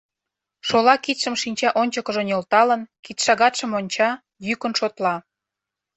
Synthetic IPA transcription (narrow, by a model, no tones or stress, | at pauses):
ʃolɑkit̪ʃə̆mʃinʲt͡ɕɑʔonʲt͡ɕəkə̆ʒonolt̪ɑlə̆nkit̪ʃɑɣɑt̪ʃə̆monʲt͡ɕɑ | jykənʃot̪lɑ